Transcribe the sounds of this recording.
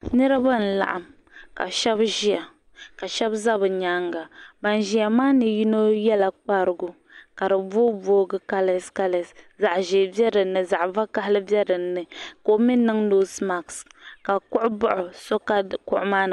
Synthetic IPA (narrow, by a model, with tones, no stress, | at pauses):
nɨ˦ɾɨ˦ba˦n̩˨la̰˨ʔa˨m | ka̰˨ʃɛ˦bʒi˦a˨ | ka˨ʃɛ˦bza˦bɨ˨ɲa˦ŋɡa˨ba˨n˨ʒi˦ja˨maː˦nɨ˨ji˦no˦jɛ˦la˨k͡pa˦ɾɨ˨ɡʊ˨ | ka˨ɾɨ˨bo˦bo˦ɡɨ˦ka˦lɛ˨ska˦lɛ˨sza˨ʔʒe˨bɛ˦ɾɨ˨nːɨ˨za˨ʔva˦ka˦hlɨ˦bɛ˦dɨ˨˦nːɨ˨ko˨˦mi˦nɨ˦ŋno˦sma˨kska˨kʊ˦ʔʊ˦bʊ˦ʔʊ˨so˦ka˦kʊ̰˦ʔʊ˦maː˦n˨